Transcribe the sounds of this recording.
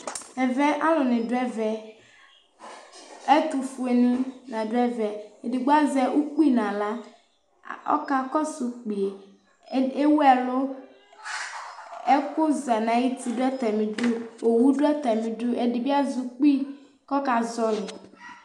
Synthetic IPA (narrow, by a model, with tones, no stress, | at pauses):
ɛ˨vɛ˦ʔa˦lʊ˨nɪ̃˨dɛ˦vɛ˨ | ɛ˦t̪u˨fu˨e˨nĩ˦nã˨dʊ˦ɛ˦vɛ˨e˨dɪ˨ɡ͡ba˦zɛ˨ʔu˦k͡pu˦i˦nã˨la˦ | ɔ̰˦ka˦kɔ˦su˨k͡pi˨e˨ | e˦wɛ˨lʊ˦ | ɛ˦kʊ˦za˨nã˨ji˦t̪i˦dʊ˦ɛ˦t̪ɛ˨mɪ̃˨dʊ˦o˨wu˦dʊ˦ɛ˦t̪ɛ˨mɪ̃˨dʊ˦ʔɛ˨dɪ˨bi˦a˦zʊ˨k͡pi˦ | kɔ˦ka˨zɔ˦lʊ˨